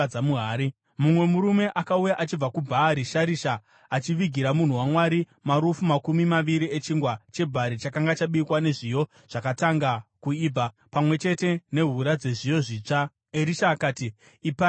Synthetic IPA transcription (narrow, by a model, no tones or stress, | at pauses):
amuɦaːɾi | mumwe̞muɾume̞ʔakaujaʔat͡ʃib͡vakubʱaːɾiʃaɾiʃaː | t͡ʃiʋiɡʱiɾamun̤uwamwaɾi | maɾufumakumimaʋiɾiet͡ʃiŋɡwat͡ʃe̞bʱaɾit͡ʃakaŋɡat͡ʃaɓiːkwane̞ʐijo̞ | ʐ̥akataŋɡakuiːb͡va | pamwe̞t͡ʃe̞te̞ne̞ɦuɾad͡ze̞ʐijo̞ʐiːt͡ʂa | eɾiʃaːkaːtiː | pa